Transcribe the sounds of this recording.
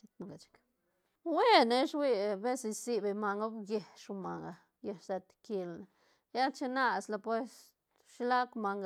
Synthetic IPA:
t͡ʃi˧t̪na˧ɡa˨t͡ʃkḁ˦ | we˦ne˧ʃwi˦˧be˦si˧si˧be˧ma˧ŋɡa˦bɡe˧˨ʃu˧ma˨ŋɡa˨ | je˧ʃse˧t̪ki˧lna˨ | ja˦t͡ʃe˦na˦sla˧pwe˧s | ʃi˧˦la˦kma˧ŋɡ

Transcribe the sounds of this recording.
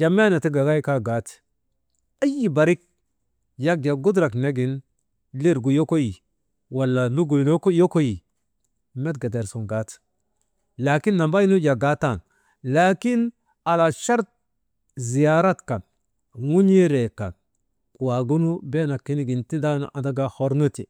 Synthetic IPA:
d͡ʒa˨me˦na˨ti˦ɡa˨ɡa˦jka˦ɡa˦t | a˦ji˦ba˨ɾi˦k̚ | ja˦k̚d͡ʒa˨ɡu˦dɾa˨kne˦ɡi˨n | li˦ɾɡu˨jo˦ko˦ji˨ | wa˨lːa˨nu˦ɡu˨no˦ko˦jo˦ko˦ji˨ | me˦tɡa˨de˨ɾsu˨ŋɡa˨˦t | la˨ki˦nːa˨mba˦ji˦nu˦d͡ʒa˨ɡa˦ta˦˨n | la˨ki˦n | a˨la˨ʃa˦ɾt̚ | zi˨ja˨ɾa˦tka˨n | ŋu˦ɲi˦ɾe˨ka̰˨n˨ | wa˨ɡu˦nu˦be˦na˨kːi˦ni˦ɡi˨nti˦da˦n̰˨ʔa˨da˦ɡa˨ho˨ɾnu˦ti˨

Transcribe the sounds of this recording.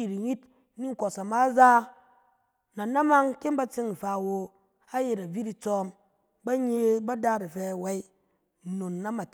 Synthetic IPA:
i˨ɾi˨ɲi˦t | ni˦ŋ̩˦˨ko˨sa˨ma˦za˦ | na˨na˦ma˦ŋke˦nba˦t͡se˦ŋi˨ɸa˨wo˧ | a˦je˨ɾa˨vi˦ɾi˧t͡sɔ˦m | ba˦ɲe˦˧ba˦da˦ɾi˨fɛ˧˨wa˦i˦˨ | no˨nːa˦ma˨t

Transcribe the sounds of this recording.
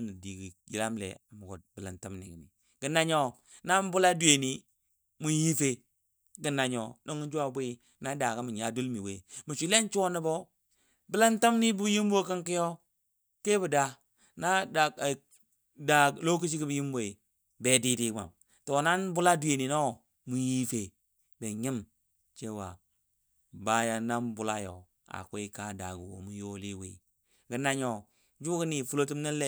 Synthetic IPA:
ni˨di˨ɡi˨ji˨la˦mlḛ˨a˨mu˨ɡo̰˨t̚bi˨la˨nta˦mnḭ˨ɡḭ˨nḭ˨ | ɡi˨na˦ɲo˦ | na˦n˦bu˦la˦du˨e˨ni˨ | mu˨ji˦fe˦ | ɡi˨na˨ɲo˨no˦ŋu˦d͡ʒu˦a˦˨bu˦i˦ | na˦da˨ka˦mi˨ɲa˨du˦lmi˨wḛ˦mu˨ʃi˨˦le˦n˦t͡ʃo˦ni˦bo˦ | bi˦la˦nta˦mni˦bu˦ji˦m˦bo˦˨ki˦ŋki˦jo˦ | ke˦bu˨da˨ | na˦da˨ | da˨ɡlo˦ki˦ʃ̬i˦ɡi˦bi˨ji˦m˦bo˨i˨ | be˨di˦di˦ɡa̰˨m | to˨na˦nbu˦la˦du˨je˨ni˨no˦ | mu˨ji˦fe˨ | be˨ɲi˦m | t͡ʃe˦wa̰˨ | ba˦ja˨na˦nbu˦la˦jo̰˨ | a̰˨kʷe˦i˦ka˦da̰˨ɡṵ˨wo̰˨mu˨jo˦li˦wḭ˦ | ɡə˨na˦ɲo˨ | d͡ʒu˦ɡə˦ni˨fu˦lo˦ti˦mni˦le˦

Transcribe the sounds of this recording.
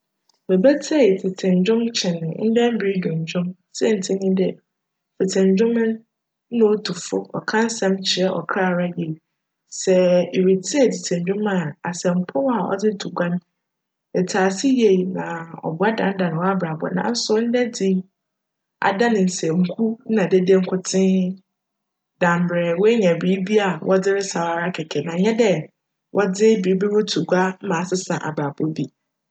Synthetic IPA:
bɛ˨bɛ˦tʰɛ˦e˨tʰɪ˨tʰɪ̃˨ɲ˨d͡ʑᶣʊ̃˦mt͡ɕʰɪ̃˨nʊ̃˨n̩˦dɛ˦m̩˦bi˨˦i˦dʊ̃˨ɲ̩˨d͡ʑᶣʊ̃˦m | sɛ˦n̩˨tʰɪ̃˦ɲĩ˦dɛ˨ | tʰɪ˨tʰɪ̃˨ɲ˨d͡ʑᶣʊ̃˦mɪ̃˦n̩˦ | nʊ̃˦tʰu˨fʊ˦ɔ̰˨kʰã˦n̩˦sɛ̃˦mt͡ɕʰɪ˨ɛ˦ʔɔ̰˨kʰa˦˨ɾa˦je˨i˨ | sɛ˨e˨ɾi˨tʰɪ˦ɛ˨tʰɪ˨tʰɪ̃˨ɲd͡ʑᶣʊ̃˦ma˨a˨sɛ̃˨m̩˨˦pʰɔ˦wa˨ʔɔ̰˨d͡zɪ˦tʰu˨ɡʷã˦n | ɛ˨tʰaː˨sɪ˦je˨i˨nã˨ɔ̰˨bʊ˨˦a˦dã˨n˦dã˨ñ˨wa˦bɾa˨bɔ̰˨˦nã̰˨˦n̩˦sʊ˦n̩˦dɛ˦d͡zɪ˦ | a̰˨da˦nɪ̃˨n̩˨sɛ̃˨ŋ̩˨kʰu˦nã˨de˦dẽ˦ŋ̩˦kʰʊ˨tʰɪ̃˦ | dã˨m˨bɾɛ˨wɔ˦e˦ɲɛ̃˨bɾi˦bi˦a˨wʔɔ˦d͡zɪ˦ɾɪ˦sa˨wa˨˦ɾa˦kʰɛ˨kʰɛ˨nã˨ɲɛ̃˦dɛ˨ | wʔɔ˦d͡zɪ˦bi˨˦bi˦wɔ˦tʰu˨ɡʷa˦mã˨sɪ˦sã˨ʔa̰˨bɾa˨bɔ˦bi˦

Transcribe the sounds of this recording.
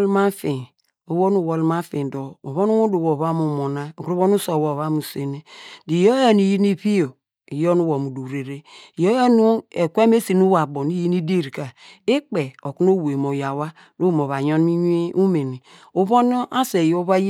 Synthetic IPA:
lma˦fi˨ | o˨wo˦nu˨wo˨lma˦fi˨do˨o˨βo˦nu˦wu˦do˨wo˨βa˦mu˨mo˨na˦˨kɾβo˦nu˦so˨wo˨βa˦mu˨se˨ne˦di˨jo˦ja˦ni˨ji˦ni˦pi˦o˨ | i˨jo˦nu˦wo˨mu˨du˨ɾe˨ɾe˦˨jo˦ja˦nu˦e˨kʷe˦m˦e˦si˨nu˦wa˨bo˨ni˦ji˦ni˦de˦˨ɾi˨ka˨e˦k͡pe˨o˨ku˦no˦we˨mo˨ja˨wa˦ | do˦˨m˨o˨βa˨ɲɔ˦n˦i˦ɲ˦e˦u˦me˨ni˨ | o˦βo˦no˦ʔa˦se˨jo˦βa˦j

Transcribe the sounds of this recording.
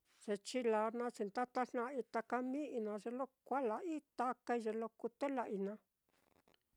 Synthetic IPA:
ʐ̥e˧t͡ʃi˦la˧˦nã˧t͡ʃi˧nt̪a˦t̪a˦ʂnã˧i˧t̪a˧ka˧mĩ˦ʔi˧nã˧ʐe˧lo˦kʷa˦la˧ʔi˦t̪a˧ka˧i˧ʐe˧lo˧ku˧t̪e˦la˧ʔi˧nã˧

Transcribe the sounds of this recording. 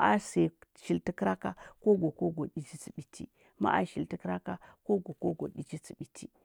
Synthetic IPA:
a̰˨se˨ʃi˨lti˦kɾa˦ka˦ko˦ɡo˨ko˦ɡo˨ɗi˨t͡ʃi˦t͡si˨ɓi˨tʰḭ˦ | ma̰˦ʔa̰˨ʃi˨lti˦kɾa˦ka˦ko˦ɡo˨ko˦ɡo̰˨ɗi˨t͡ʃi˦t͡si˨ɓi˨tʰi˦

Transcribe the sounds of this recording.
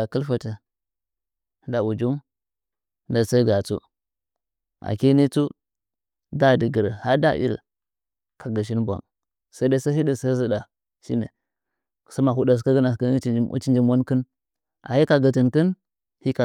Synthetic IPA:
a˨ki˦lfa˨tə˨˦ | da˨u˨d͡ʒu˦m˦ | da˨sa˦ɡa˨t͡sṵ˦ | ʔa̰˨ki˦ni˦t͡su˦ | da˦˨di˨ɡi˨ɾə˨ha˦da̰˦ʔḭ˦l | ka˨ɡə˨ʃ̬i˦nbʷa̰˨m | sa˦i˦da˦sa˦ɦi˦di˨sa˦zi˦da˨ | ʃḭ˦nḛ˨ | sa˦ma˨ɦu˦da˨ka˦ɡə˦na˨skt͡ʃi˦nd͡ʒi˦mwa˦nkə˦n | ʔa̰˨hi˦ka˨ɡə˨ti˨nkə˦n | hi˦ka˨

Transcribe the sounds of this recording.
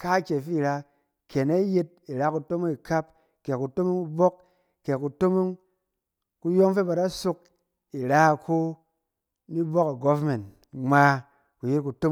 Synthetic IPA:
ka˦kʲe˨fi˦˨ɾa˧ | ke˨ne˦je˧t̚i˨ɾa˦ku˨to˦mo˦ŋi˨ka˦p | ke˨ku˨to˦mo˦ŋku˧bo˦k | ke˨ku˨to˦mo˦ŋ | ku˧jo˦ŋfe˦ba˧da˦so˧k̚ | i˨ɾa˦˨kʰo˦ | ni˦bo˦ka˨ɡo˦vme˨nt | ŋ͡mʷa˨˧ | ku˨je˦t̚ku˨to˦

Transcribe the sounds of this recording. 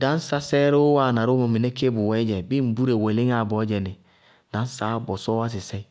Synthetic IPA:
dã˦n˦sa˦sɛ˦ɾo˦wa˦˨na˨ɾo˦mo˨mi˨ne˦ke˦bu˨wɛ˦d͡ʒɛ˨bi˦m̩˨bu˦ɾe˨we˨li˦ŋ˦a˨bɔ˨˦d͡ʒɛ˨ni˨ | da˨˦n˦sa˦bɔ˨sɔ˦wa˦s̬i˨sɛ˦

